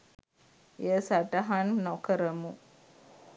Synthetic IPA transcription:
jəsaɖaɦannokəɾəmu

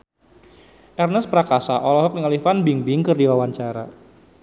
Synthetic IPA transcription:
ʔɛrnəspɾakasaʔɔlɔɦɔk̚nəŋalifanbiŋbɪŋkɨrdiwawaɲt͡ʃaɾa̰

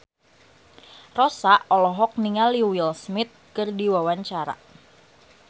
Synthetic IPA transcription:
rɔsaʔɔlɔɦɔk̚niŋaliwilsmɪt̪̚kɨrdiwawaɲt͡ʃaɾa̰

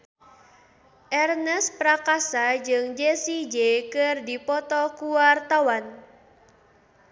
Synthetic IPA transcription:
ʔɛrnəspɾakasad͡ʒɨŋd͡ʒesid͡ʒekɨrdipɔt̪ɔkuwart̪awan

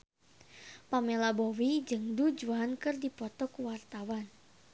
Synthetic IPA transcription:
pamelabɔwid͡ʒɨŋdud͡ʒuankɨrdipɔt̪ɔkuwart̪awan

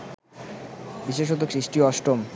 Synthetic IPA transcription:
biʃeʃ̬ot̪okɾiʃʈioɔʃʈɾom

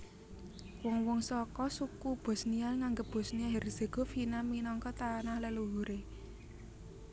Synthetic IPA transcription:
wɔŋwɔŋsɔkɔsukub̥ɔ̤snialŋaŋɡəp̚b̥ɔ̤snialɦeɾiz̥e̤ɡ̥o̤finaminɔŋkɔt̪anahləluɦuɾe

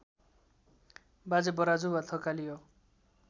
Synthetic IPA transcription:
bad͡zebʌɾad͡zubat̪ʰʌkalijo

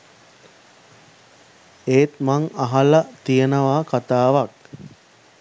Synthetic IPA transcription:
eːt̪̚maŋaɦalət̪ijənəʋaːkat̪aːʋak̚

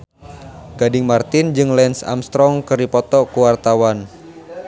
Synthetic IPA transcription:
ɡ̥adɪŋmart̪ɪnd͡ʒɨŋlɛnsa̰mst̪ɾɔŋkɨripɔt̪ɔkuwart̪awan

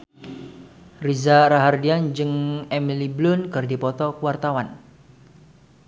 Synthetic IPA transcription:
rizaɾaɦardiand͡ʒɨŋɛmiliblʊnkɨrdipɔt̪ɔkəwart̪awan

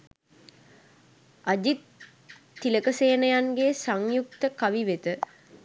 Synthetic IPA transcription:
ad͡ʒit̪ː | iləkəseːnəjanɡesaŋjuk̚t̪əkaʋiʋet̪ə

